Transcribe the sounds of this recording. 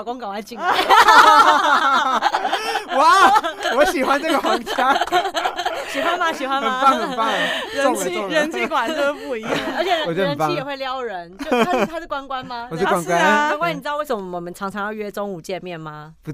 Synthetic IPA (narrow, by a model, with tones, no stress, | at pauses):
kõ˥ŋka˨˩a˧˥ɪt͡ɕi˨˩ŋa˨˩ | wa˨wɔ˧˦ɕi˨˩xwa˦nt͡sə˥˩ɡə˨xwɑ˨˥ŋt͡ɕʰja˦ | ɕi˨˩xwa˦nma˧ɕi˨˩xwa˦nə˨˩npa˥˨ŋhə˨npa˥˨˩ŋ˩ɻə˦˥nu˧˥˨ɻə˧˦˥nt͡ɕʰi˥˧kwa˨˩no˥˧ʂpu˥˩i˧˥ja˥˩ə˧˥t͡ɕʰjɛ˨˩ɻə˧˨o˥˩ə˧˦n˩pʰa˥˨˥xwe˥˩ɪljɑ˦ʊɻə˧˦nt͡ɕjo˧˥t̪ʰa˥˩kwa˦nkwa˦nma˧wɔ˨˩˥kwa˥˦nkwa˦nwkwa˥˩ni˨˩˨we˥˩sə˨˦m˧˩˨ə˨˩mə˦nʈ͡ʂʰɑ˧˥ŋʈ͡ʂʰɑ˧˦ŋjɑ˥˧ʊɥɛ˥ʈ͡ʂo˥ŋu˨˩t͡ɕjɛ˥˧nmjɛ˥˩nma˨˧